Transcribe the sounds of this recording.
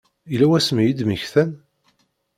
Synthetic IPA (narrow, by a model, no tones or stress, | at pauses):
ilæwæsmijid̪miçθæn